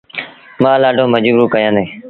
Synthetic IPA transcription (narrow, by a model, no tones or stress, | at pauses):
mãːlaːɖʱõːməd͡ʒɾuːkəjãːnd̪eː